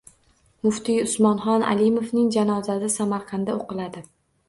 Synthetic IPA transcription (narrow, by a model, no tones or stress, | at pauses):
mʊft̪iʊsmɒnχɒna̰lɪmovnɪŋd͡ʒanɒzad̪ɪsamaɾqʰɑnd̪aoqɨlˠad̪ɪ